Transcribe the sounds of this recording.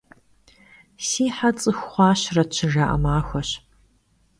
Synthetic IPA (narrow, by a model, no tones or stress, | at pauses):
siːħat͡sʼɨxʷχʷɑːɕrɐt͡ɕʰɪʒaːʔɐ̰maːxʷɐɕ